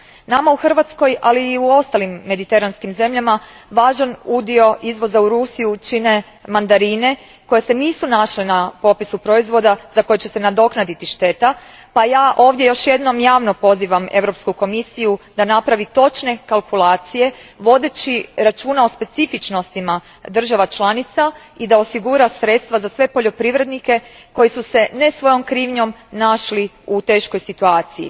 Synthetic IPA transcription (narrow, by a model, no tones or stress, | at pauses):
namauxr̩ʋat̪sko̞jaliːuo̞st̪alimːe̞d̪it̪e̞ɾanskimze̞mʎama | ʋaːʒanud̪io̞ʔizʋo̞zauɾusijut͡ʃine̞ | mand̪aɾiːne̞ | ko̞jese̞niːsunaʃlenapo̞pisupɾo̞izʋo̞d̪azako̞jet͡ɕe̞se̞nad̪o̞knad̪it̪iʃt̪e̞t̪a | pajaːʔo̞ːʋd̪ʲje̞jo̞ʃje̞d̪no̞mjaːʋno̞po̞ziːʋame̞ʋɾo̞pskuko̞misijud̪anapɾaʋit̪o̞t͡ʃne̞kalˠkulˠaːt̪sije̞ʋo̞d̪et͡ɕiɾat͡ʃuːnao̞spe̞t̪ifit͡ʃno̞st̪ima | d̪r̩ʒaʋat͡ʃlˠanit̪sa | id̪ao̞siɡuɾasɾe̞t̪st̪ʋazasʋe̞po̞ʎo̞pɾiʋɾe̞d̪nike̞ | ko̞jisuse̞ne̞sʋo̞jo̞mkɾiːʋɲo̞mnaʃli | ut̪e̞ːʃko̞jsit̪uaːt̪siḭ